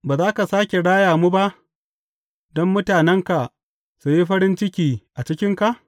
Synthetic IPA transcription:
baː˨zaː˦ka˨saː˦kʲe˨ɽaː˦jaː˨muː˦ba˦ʔ | dɔ˦mːʊ˦taː˨nɛ˦ŋka˨ʔ | su˨ji˦ɸɐ˦ɾɪ˦nt͡ʃɪ˦kʲiː˨ʔa˨t͡ʃɪ˦kʲɪ˦ŋka˨ʔ

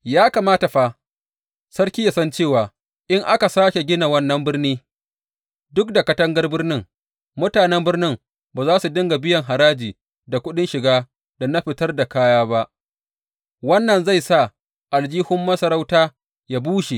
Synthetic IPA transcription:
jaː˦ka˨maː˦ta˨ɸa˦ | sɐ˦ɾkʲiː˦ja˨sɐ˦nt͡ʃeː˦˨waː˨ | ʔɪ˦ŋʔa˦ka˨saː˦kʲe˨ɡʲɪ˦na˨wɐ˦nːɐ˦mbɪ˦rniː˦ | dʊ˦k̚da˨kɐ˦tɐ˦ŋɡɐ˦rbɪ˦rnɪ˦ŋ | mʊ˦taː˨nɛ˦mbɪ˦rnɪ˦m | baː˨zaː˦su˨dɪ˦ŋɡa˨bɪ˦jɐ˨ŋɦa˨ɾaː˦d͡ʒiː˨ | da˨kʷʊ˦ɗɪ˦nʃɪ˨ɡaː˦ | da˨na˦ɸɪ˨tɐ˦rda˨kaː˦jaː˦ba˦ʔ | wɐ˦nːɐ˨nza˦˨jsa˦˨ | ʔa˨ld͡ʒiː˦hʊ˦mːɐ˦sɐ˨ɾa˦wtaː˦ | jaː˦buː˦ʃe˨

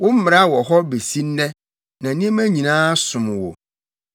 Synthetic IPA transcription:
wʊ̃˦m̩˦mɪ̃˨ɾa˦wɔ˨ɦɔ˦be˨si˦n˦nɛ̃˦ | nã˨nĩ˦e˦mæ̃˦ɲĩ˨nãː˦sʊ̃˨m˨wo̰˨

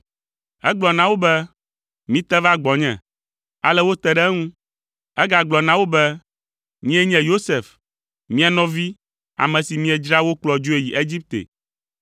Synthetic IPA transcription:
ɛ˦ɡ͡blɔ˨nã˦wo˦bɛ˦ | mĩ˦t̪ɛ˦va˦ɡ͡bɔ˨ɲɛ̰̃˨ | a̰˨lɛ˦wo˦t̪ɛ˦ɖɛ˦ŋũ˦ | ɛ˦ɡa˨ɡ͡blɔ˨nã˦wo˦bɛ˦ | ɲĩ˦ɛ˦ɲɛ̃˦jo˦se˨f | mĩ˦ɛ˨nɔ̃˦vi˦ | a̰˨mɛ̃˨si˨mĩ˦ɛ˨d͡ʒɾa˦wo˦k͡plɔ˨d͡ʒo˦e˨ji˨ʔe˦d͡ʑi˦p̚t̪ḛ˨

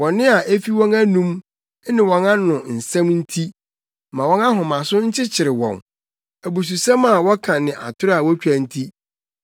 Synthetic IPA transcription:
wɔ̃˨nɪ̃˦a˨ʔe˦fi˦wɔ̃˦næ˦nũ˦m˦ | nɪ̃˨wɔ̃˨nã˦nʊ̃˨n̩˨sɛ̃˦mn̩˦tʰi˦ | mã˨wɔ̃˦na˦ɦʊ̃˨mã˨sʊ˦ɲ̩˦t͡ɕʰɪ˦t͡ɕʰɪ˨ɾɪ˨wɔ̰̃˨n | æ˨bu˨s̬u˨sã˦ma˨wɔ˦kʰã˨nɪ̃˨ʔa̰˨tʰʊ˦ɾa˨wɔ˦t͡ɕᶣæ˨n̩˦tʰi˦

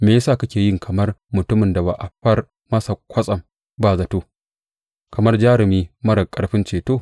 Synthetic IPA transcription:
meː˨jɐ˦saː˦˨ka˦kʲeː˨jɪ˦ŋkʰɐ˨mɐ˦rmʊ˨tʊ˦mɪ˨nda˨ba̰ː˨ʔa˨ɸɐ˦r | mɐ˦sa˨kʷɐ˦sʼɐ˨m | baː˦˨zɐ˨toː˦ | kɐ˨mɐ˦rd͡ʒaː˦ɾɪ˨miː˦mɐ˦ɾɐ˨kʼɐ˦ɽɸɪ˦nt͡ʃeː˨toː˦˨

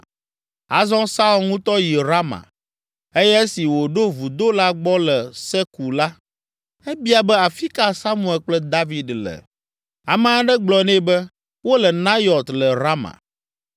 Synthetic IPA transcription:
a̰˨zɔ̃˦sa˦u˦lŋũ˦t̪ɔ˦ji˨ɾa˦mã̰˨ | e˦jɛ˦si˨wo˨ɖo˦vu˨d̪o˦la˦ɡ͡bɔ˦lɛ˨sɛ˦ku˨la˦ | ɛ˦bi˦a˨bɛ˦a˨fi˦ka˦sa˦mũ˦˨ɛ˨lk͡plɛ˦d̪a˦vi˨dlɛ̰˨ | a̰˨mã˦ɖɛ˦ɡ͡blɔ˨nɛ̃˦bɛ˦ | wo˦lɛ˨nã˦jɔ˨t̪lɛ˨ɾa˦mã̰˨

